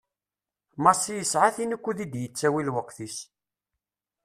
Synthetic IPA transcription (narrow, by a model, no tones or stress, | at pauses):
mɑsijəsʕaθinəkʷːuðid̪jət͡sːæwilwəqːθis